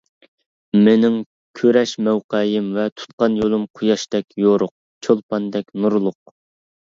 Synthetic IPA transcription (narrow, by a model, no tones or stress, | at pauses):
menɪŋ | kʲʰøɾɛʃmɛwqɛjɪmvɛt̪ʰu̥t̪̚qɑnjolˠɨmqʰʊjɑʃt̪ɛkʲjoɾʊq̚ | t͡ʃʰolˠpɑnd̪ɛkʲnuɾlˠʊq̚